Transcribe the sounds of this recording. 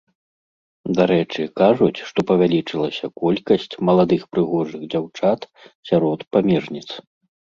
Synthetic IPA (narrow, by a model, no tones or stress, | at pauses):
d̪aɾɛt͡ʂɨkaʐut͡sʲʂt̪ɔpɐvʲalʲit͡ʂɨlˠɐsʲɐkɔlʲkɐsʲt͡sʲmɐlˠad̪ɨxpɾɨɣɔʐɨɣd͡zʲawt͡ʂat̪ | sʲaɾɔt̪pamʲɛʐnʲit̪s